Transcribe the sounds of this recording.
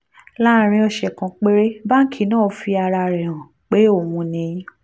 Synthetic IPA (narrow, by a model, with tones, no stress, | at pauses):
la˦˨˦ɾ̃ĩ˧ɔ˧ʃɛ˨kã˨k͡pe˦ɾe˦ba˦ŋ̩˦kʰi˦nãː˦˨˦fi˧a˧ɾa˧ɾɛ˨hã˨ | k͡pe˨˦o˦˨mũ˧nĩ˧˦